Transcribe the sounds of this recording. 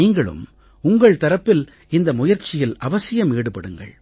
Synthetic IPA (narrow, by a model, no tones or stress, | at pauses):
iːŋɡɐɭɯ̰m | ʊŋɡɐɭt̪ɐɾɐpːɪl | ɪnd̪ɐmʊjɐɾt͡ʃːɪjɪlɐʋɐsɪjɐmeːɽɯpɐɽɯŋɡɐ̰ɭ